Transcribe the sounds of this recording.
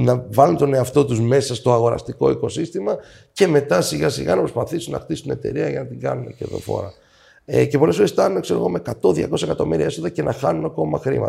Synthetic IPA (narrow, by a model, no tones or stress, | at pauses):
nɐvɐlunt̪o̞ne̞ɐft̪o̞t̪uzme̞sɐst̪o̞ɐɣo̞ɾɐ̰st̪iko̞̰iko̞sist̪imɐ | ce̞me̞t̪ɐsiɣɐsiɣɐ̰nɐpɾo̞spɐθisunɐ̰xt̪isu̥ine̞t̪e̞̰ɾiɐjʝɐnɐt̪iɡɐ̰nuneceðo̞̰fo̰ɾɐ̰ | ece̞po̞lesfoɾest̪ɐnunekse̞ɾo̞ɣo̞mekɐt̪o̞ðʝɐ̰ko̞sɐekɐt̪o̞̰miɾiɐe̞soðɐce̞nʔɐxɐnunɐko̞mɐ̰xɾḭmɐ̰t̪